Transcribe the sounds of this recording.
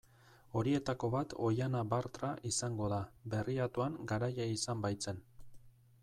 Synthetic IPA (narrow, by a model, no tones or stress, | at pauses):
o̞ɾie̞t̪ako̞βat̪o̞janabaɾt̪ɾaʔisaŋɡo̞ðabe̞riat̪uaŋɡaɾajaisambajt͡se̞n